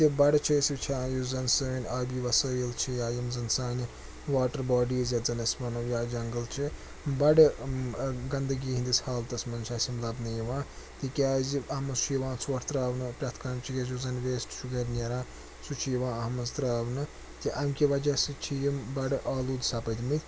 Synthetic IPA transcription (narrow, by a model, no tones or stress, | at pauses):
t̪ibɐɽt͡ʃʰisit͡ʃʰaːjuzɐnsɐːnʲabiʋɐsəːjɐlt͡ʃʰijaːjɐmzɐnsaːnʲ | ʋaːʈɐɾbaːɖiːzjad͡zɐnɐsmɐnɐjad͡ʒɐŋɡɐlt͡ʃʰi | bɐɽ | ɡɐnd̪ɐɡiːɦĩnd̪isʲhaːlt̪ɐsmɐnt͡ʃʰaːsimlaːbnɨjɐʋãː | t̪ikʲaːziɐmɐʃujɐʋãːt͡sʰuʋɐɾt̪ɾaːʋnɨpɾʲɐt̪ʰkɐmt͡ʃʰikʲɐzuzɐnʋeːsʈʃuɡɐɾʲnɐɾãː | sut͡ʃʰijiʋãːɐɦmɐzt̪ɾaːʋnɨ | t̪iʔɐmʲkʲiʋɐd͡ʒasit͡ʃʰijimbɐɽʔaːlud̪saːpɐd̪imit̪ʰʲ